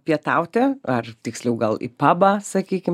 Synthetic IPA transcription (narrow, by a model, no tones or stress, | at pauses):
pʲiɛt̪ɐʊt̪ʲɛɐrt̪ʲɪksʲlʲɛʊɡɐlˠḭpɑːbɑːsɐkʲiːkʲɪm